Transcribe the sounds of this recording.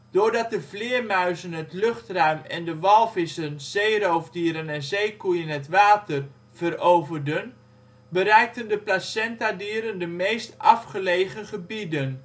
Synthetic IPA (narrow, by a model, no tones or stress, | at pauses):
d̥ʊːɹdɑt̚dəvlɪːəɹmœɥzənɦətlɵχtrœɥmɛ̰ndəʋɑlˠvɪsənz̥ejrowvdiːɾənɛnzejkujənɦətʋaːtər | v̥ərowvərdən | bəɾɛjk̚təndəplasɛntadiːɾəndəmejstʔɑfχəlejχəχəbidən